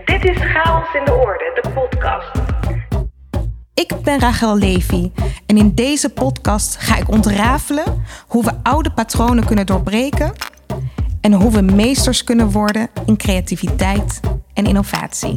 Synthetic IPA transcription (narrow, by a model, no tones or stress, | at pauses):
d̥ɪtɪsχaːɔsɪndəɔɹdədəpɔtkɑ̰st | ɪɡbɛnraːχɛlˠlejviɛnɪndejzəpɔtkɑstχaːɪkɔntraːvələɦuʋəʔʌwdəpatrownənkɵnəndʊːɹbrejkən | ɛnɦuʋəmejstəɹskɵnənʋɔɹdənɪnkrejativitɛjtɛnɪ̰nov̥a̰ːtsḭ